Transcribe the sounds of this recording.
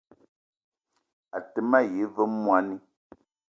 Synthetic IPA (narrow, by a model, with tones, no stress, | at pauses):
a˨tɛ˨ma˦˨je˨˦və˦mwa˦ni˦